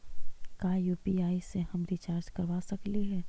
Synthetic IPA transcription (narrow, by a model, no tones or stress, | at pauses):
kaːjuːpiaːiseɦɐmɾit͡ʃaːɾd͡ʒkɐɾʋasɐkliɦɛː